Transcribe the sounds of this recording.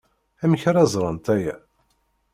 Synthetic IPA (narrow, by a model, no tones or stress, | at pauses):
æmçɾæzˤɾˤənt̪æjæ